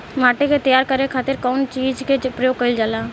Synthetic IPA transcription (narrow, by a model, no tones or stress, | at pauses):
maːʈeket̪əjaːɾkəɾekʰaːt̪ɪɾkɔːnt͡ʃiːd͡ʒkepɾjoːɡ̚kəild͡ʒaːlaː